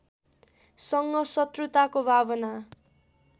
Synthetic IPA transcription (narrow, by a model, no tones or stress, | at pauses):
sʌŋɡʌsʌt̪rut̪akobʱabʌna